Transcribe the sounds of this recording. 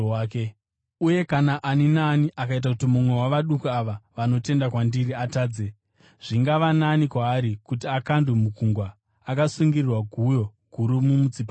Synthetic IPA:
ke | uje̞kanaʔaninaniʔakait̬akutimumwe̞waʋaɗukuaʋaʋano̞te̞ndakwandiriataːd͡ze | ʐ̥iŋɡaʋananikwaːɾikut̬iakandumukuŋɡwaː | kasuŋɡirirwaɡʱujo̞ɡ̥ʱuɾumumut͡sipa

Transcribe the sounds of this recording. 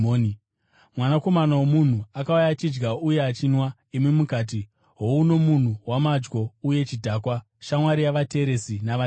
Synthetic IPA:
n | mwanako̞manawomun̤uakaujat͡ʃid͡ʒɡauje̞at͡ʃinwa | imwimukaːt̬i | ɦo̞uno̞mun̤uwamad͡ʒɡo̞uje̞t͡ʃidʱaːkwa | ʃamwaɾijaʋate̞ːɾe̞sinaʋa

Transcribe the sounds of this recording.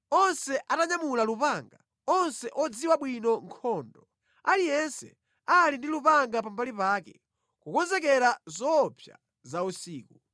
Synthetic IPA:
ɔnsɛʔataɲamulalupaŋɡa | ɔnsɛʔɔd͡ziwaɓwinɔŋkʰɔːndɔ | alijɛnsɛ̰ | alindilupaŋɡapambalipaːkɛ | kukɔnzɛkɛɾazɔpʰja̰ | zausiːku

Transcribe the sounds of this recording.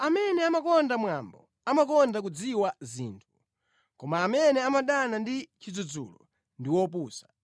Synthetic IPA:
amɛnɛamakɔndamwambɔ | amakɔndak̬ud͡ziwazḭːntʰu | kɔmaːmɛnɛamaɗanandit͡ʃid͡zud͡zṵːlɔ | ndiwɔp̬uːsḁ

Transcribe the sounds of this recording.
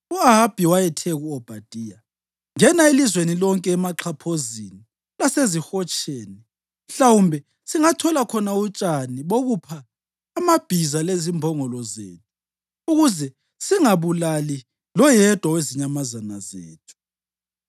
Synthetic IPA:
uaɦab̥ʱiwajɛtʰɛɣuɔb̥ʱad̥ʼʱiːja | ŋɛnaelizwenilɔŋkʼɛːmaǁʰapʰozini | lasezixɔt͡ʃʼeːni | m̩ɬawumbʱɛ | siŋatʰɔlakʰɔnaut͡ʃʼaniβoɣupʰaː | mab̥ʱizalezimbʱɔŋɔlɔzḛːtʰu̥ | uɣuzɛ | siŋaβulali | lɔjɛd̥ʱwaweziɲamazanazḛːtʰu̥

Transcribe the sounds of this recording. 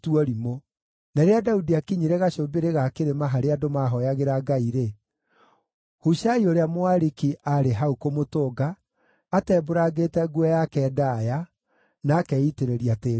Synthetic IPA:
tuɔɾimo | nɛɾeadaudiakiɲiɾeɣaɕobeɾeɣakeɾemaɦaɾeadomaɦɔjaɣeɾaɡaiɾe | huʃaioɾeamwaɾikiʔaɾeɦaukomotoːɡaː | tɛːboɾaɣetɛɡwɔjakɛːdaja | nakɛiteɾeɾiateː

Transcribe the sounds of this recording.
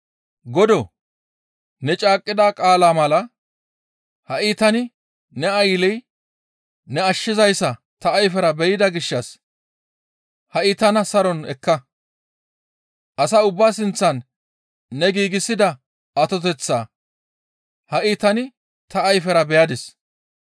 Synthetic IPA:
ɡɔd̪ɔ | nɛt͡ʃʼaːkʼːɪd̪aːkʼaːlaːmɐlɐ | hɐʔiːt̪ɐnɪ | nɛɐjlɛj | nɛɐʃːɪzɐjsːɐ | t̪ɐːjfɛɾɐbɛjɪd̪ɐɡɪʃːɐs | hɐʔiːt̪ɐnɐsɐɾɔnɛkːɐ | ʔɐsɐːʊbːaːsɪnt͡sːɐnː | ɛɡiːɡɪsːɪd̪ɐ | ɐt̪ɔt̪̬ɛt͡sːaː | hɐʔiːt̪ɐnɪ | t̪ɐːjfɛɾɐbɛjɐd̪ɛs

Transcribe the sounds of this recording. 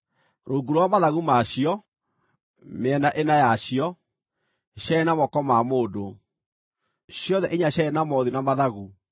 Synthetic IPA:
ɾoɡuɾowamaðaɣumaɕiɔ | meɛnaʔenajaɕiɔ | ɕɛɛnamɔkɔmamoːdo | ɕjɔðɛʔeɲaɕaɛnamɔðinamaðaɣu

